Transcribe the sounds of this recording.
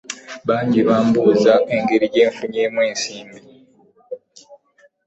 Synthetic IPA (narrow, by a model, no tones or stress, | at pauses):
βaːɲɟiβaːmbuːzaʔeŋɡe̞ɾije̞ːɱfuɲeːmweːnsiːmbi